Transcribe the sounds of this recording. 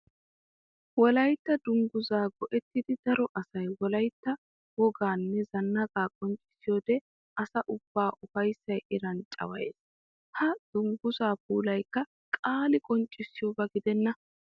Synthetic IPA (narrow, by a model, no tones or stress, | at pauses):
wɔlɐjt̪ːɐd̪ʊŋɡʊzaːɡɔʔɛt̪ːɪd̪ɪd̪̥ɐɾɔʔɐsɐjwɔlɐjt̪ːɐ | wɔɡaːnːɛzɐnːɐɡaːkʼɔnt͡ʃʼɪ̥sɪjoːd̪ɛ | ʔɐsɐʔʊb̥ːaːʔʊfɐjsːɐjʔɪɾɐnt͡ʃʼɐ̰wɐ̰jḛːs | hɐd̪̥ʊŋɡʊzaːpuːlɐjkːɐ | kʼaːlɪkʼɔnt͡ʃʼɪsːɪjoːbɐɡɪd̪ɛnːɐ